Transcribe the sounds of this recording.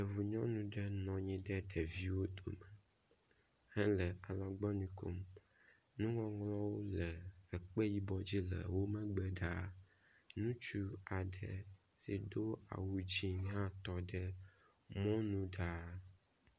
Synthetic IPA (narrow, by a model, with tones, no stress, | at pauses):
e˨vu˨ɲɔ̃˦nũ˦ɖɛ˦nɔ̃˨ɲĩ˦ɖɛ˦ɖ̪ɛ˨vi˦wo˦d̪o̰˨mɛ˨ | hɛ˦lɛ˨ʔa˨la˨ɡ͡bɔ˦nĩ˨ko˨m | nũ˦ŋɔ̃˦ŋlɔ˦wo˦lɛ˨ɛ˨k͡pe˦ji˦bɔ˨˦d͡ʑi˦lɛ̰˨wo˦mɛ̃˦ɡ͡bɛ˦ɖa˦ | nũ˦t͡ʃu˦a˨ɖɛ˨ | si˨d̪o˦a̰˨wu˦d͡ʑi˨ɲ˦ɦã˦t̪ɔ˦ɖɛ˦ | mɔ̃˦nũ˦ɖa˦